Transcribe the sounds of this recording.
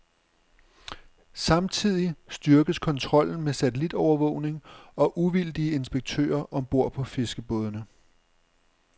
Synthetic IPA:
sɑ̈mt͡sʰið̰ˠisd̥yɐɡ̥əð̩ˠskʰɒ̽nt͡sʰʁɒ̽l̰n̩mesæt͡sʰelid̥ɒʊɐʋɔ̽ʊ̰ne̝ŋɒ̽ʔuʋild̥iəe̝nsb̥eɡ̥̚t͡sʰø̰ːɐʔɒ̽mb̥o̝ɐ̰pʰɒ̽fe̝sɡ̥əb̥ɔ̽ːð̞ˠnə

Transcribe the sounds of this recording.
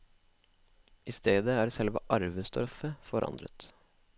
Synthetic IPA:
ʔɪst̪eːd̪əæːɖsɛlʋə̰ʔɑɾʋəst̪ʰɾfəfɔɾɑ̰nd̪ɾə̰t̪

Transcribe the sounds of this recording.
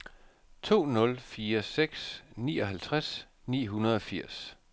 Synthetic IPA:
t͡sʰo̝̰ːnɔ̽lfiːɐseɡ̥snḭːɒ̽ɦælt͡sʰʁas | nḭːɦunɐð̞ˠɒ̽fiɐ̰s

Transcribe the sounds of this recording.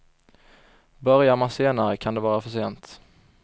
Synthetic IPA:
bœɾjaɾmanseːnaɾəkʰand̪ɛvɑːɾafœʂeːnt̪

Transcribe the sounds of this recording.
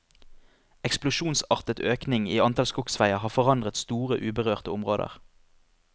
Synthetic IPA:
ɛksplʊʃuːnsɑʁt̪ət̪øːknɪŋiːɑnt̪ʰɑlskʊksʋæɪəɦɑːfɔʁɑnd̪ʁət̪st̪uːʁə̰ʔʉːbəʁøːʁt̪əʊmʁoːd̪ə̰ʁ

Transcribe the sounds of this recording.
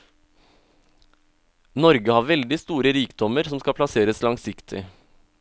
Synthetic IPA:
nɔɾɡəhɑːɾʋɛld̪ɪst̪uːɾəɾiːkd̪ɔməɾsɔmskɑpʰlɑseːɾəslɑŋsɪkt̪ʰɪ̰

